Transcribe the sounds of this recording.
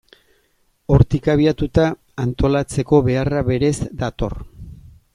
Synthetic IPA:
o̞ɾt̪ikaβ̞iat̪ut̪aː | nt̪o̞lat͡se̞ko̞βe̞araβe̞ɾe̞zd̪at̪o̞̰r

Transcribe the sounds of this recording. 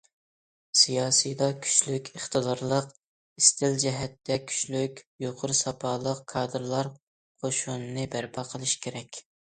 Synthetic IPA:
sijɑːsijd̪ɑkʲʰy̥t͡ʃlykʲəχt̪ɨd̪ɑɾlˠəq | ist̪ʰɪld͡ʒɛɦɛt̪ːɛkʲʰy̥ʃlykʲjoqʰʊɾsɑpʰɑːlˠəqkʰɑːd̪ɨɾlˠɑɾ | qʰoʃunɨnɨbæɾpʰɑqʰəlˠɨʃkʲʰeɾɛkʲ

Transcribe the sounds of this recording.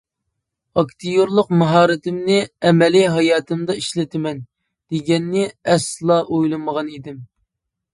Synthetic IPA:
ɑkt̪ʰijoɾlˠʊqmɑɦɑːɾɪt̪ʰɪmnɪɛmɛliɦɑjɑːt̪ʰɨmd̪ɑiʃlɪt̪ʰɪmɛn | d̪̥eɡʲɛnːɪɛslˠɑʔojlˠɨməʁɑnid̪ɪm

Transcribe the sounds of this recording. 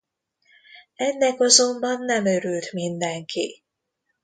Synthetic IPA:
ɛnːɛkɒzo̞mbɒnːɛmøɾylt̪mind̪ɛŋkʰḭ

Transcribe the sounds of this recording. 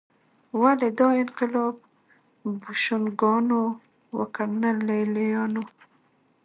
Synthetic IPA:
waled̪ɑɪnqɪlɑb̚ | buʃʊnɡɔno | wa̰kanalejlejɑno

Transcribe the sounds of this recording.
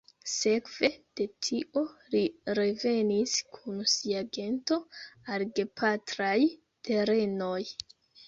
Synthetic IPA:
se̞kv̥e̞d̥e̞tʰiʔo̞liɾe̞ve̞niskʰunsiaɡe̞nto̞aɾɡe̞pʰatɾaj | te̞ɾe̞no̞j

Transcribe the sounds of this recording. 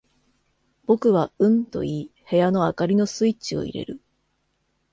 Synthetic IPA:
b̥o̞kɯ̟βaɯ̟̃nt̪o̞̰iːhe̞jano̞akaɾʲino̞sɨit͡ɕio̞̰ḭɾe̞̰ɾɯ̟

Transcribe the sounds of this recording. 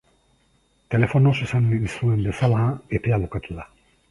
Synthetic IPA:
t̪e̞le̞fo̞no̞sesaniisue̞mbe̞salaepe̞aβokat͡s̪eða

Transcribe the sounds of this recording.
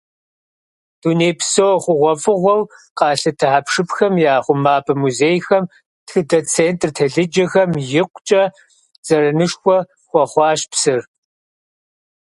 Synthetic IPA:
d̥uːneːpʰsowχʷʊʁʷɔfʼɨʁʷɔwqɑːɬɐtʰɨħapʂɨpxɐmjaːχʷʊmaːpʰɐmuzeːjxɐm | txɨdɐt͡sʰeːntʼrtʰɐɮɨd͡ʒɐxɐmjɪqʷt͡ʃʼɐ | z̥ɐɾɐnɨʂxʷɔ | xʷɔχʷɑːɕpsɨr

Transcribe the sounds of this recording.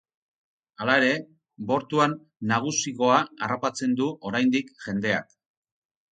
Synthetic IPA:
alae̞ɾe̞ | bo̞ɾt̪uanː | aɣ̞usiɣo̞aarapat͡se̞nd̪uʔo̞ɾajnd̪ikʝe̞nd̪e̞a̰k

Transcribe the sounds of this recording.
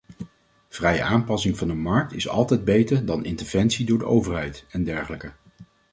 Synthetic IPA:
v̥rɛjə̰ʔaːmpɑsɪŋvɑndəmɑɹk̚tɪsɑ̰lˠtɛjd̚bejtəɹdɑnʔɪntəɹv̥ɛnsidʊːɹdəʔowvəɹɦɛjtɛndɛɹχələkə

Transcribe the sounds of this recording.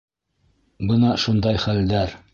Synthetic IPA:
bɤnɑʃund̪ɑjχæld̪æɾ

